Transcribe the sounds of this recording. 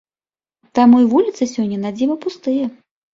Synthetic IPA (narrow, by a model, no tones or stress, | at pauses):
t̪amujvulʲit̪sɨsʲɔnʲːɐnad͡zʲimɐpust̪ɨjɐ